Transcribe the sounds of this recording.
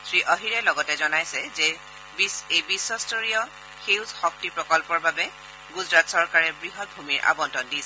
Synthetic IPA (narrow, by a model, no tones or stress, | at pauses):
sɹiʔɔɦiɹɛlɔɡɔtɛzɔnajsɛzɛ | bisebisːɔstɔɹijɔ | xewzxɔk̚tipɹɔkɔlpɔɹbabɛ | ɡuzɹatsɔɹkaɹɛbɹiɦɔt̚bʱumiɹʔa̰bɔntɔndisɛ